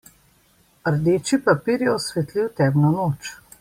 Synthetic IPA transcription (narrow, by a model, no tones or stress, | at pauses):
əɾd̪eːt͡ʃipapiːɾjɛɔsʋɛt̪liwt̪ɛːbnɔnoːt͡ʃ